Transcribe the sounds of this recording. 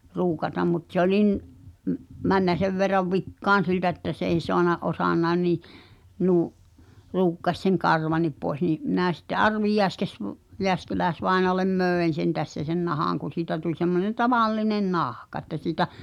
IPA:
ruːkɑtɑm mut se olʲin m mænːæ seʋ ʋerːɑʋ ʋikːɑːn̞ siltæ etːæ s ei soɑnɑ ʔosɑnːɑi̞n niː nuː ruːkːɑsʲ seŋ kɑrʋɑnˑip poes niː minæˑ sitːe ʔɑrʋi jeæskes ʋ jeæskelæesʋɑenoɑlem møˑen̞ sen tæsːæ sen nɑhɑˑŋ kun̞ siːtæ tulʲ semːonen tɑʋɑlːinen nɑhkɑ ĕtːæ siːtæ

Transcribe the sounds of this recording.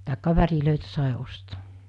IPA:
tɑˑekːɑ ʋæriløˑitæ sɑˑi osto̥ː

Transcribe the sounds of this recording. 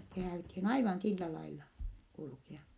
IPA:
se hæːythin ɑiʋɑn silːæ lɑilːɑ kulkeɑ

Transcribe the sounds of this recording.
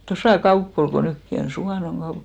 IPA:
tosɑˑ kɑupː ol ko nykːi on suʋɑˑnoŋ ɡ̊ɑup

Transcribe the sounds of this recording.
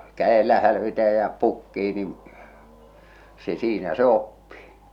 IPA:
kæelːæ hælʋitæ jɑ pukːiː nin se siːnæ se opːiː

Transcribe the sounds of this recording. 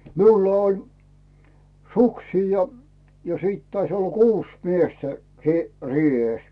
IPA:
miulːɑ olʲ suksiː jɑ siˑt tɑis olːɑ kuːs miestæ siˑ riˑeˑs

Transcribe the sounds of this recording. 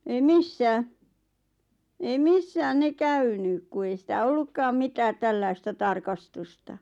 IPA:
ei misːæː ei misːæːn̆ ne kæynyk ku ei sitæ olːukːɑːm mitæːt tælːɑistɑ tɑrkɑstustɑ

